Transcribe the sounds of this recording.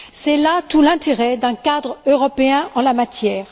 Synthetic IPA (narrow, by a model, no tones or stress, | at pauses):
sɛlat̪ulɛ̃t̪eʁɛd̪ɛ̃kad̪ʁøʁɔpeɛ̃ʔɑ̃lamat̪jɛːʁ